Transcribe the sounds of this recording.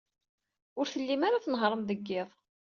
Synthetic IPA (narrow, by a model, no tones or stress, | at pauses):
ʊɾθəlːimaɾaθənɦɾˤəmðəɡːɪðˤ